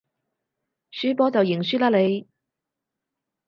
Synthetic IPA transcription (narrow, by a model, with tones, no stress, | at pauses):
syː˨˥pɔː˥t͡sɐ˨wjɪ˨˩ŋsyː˥laː˥le˨˧j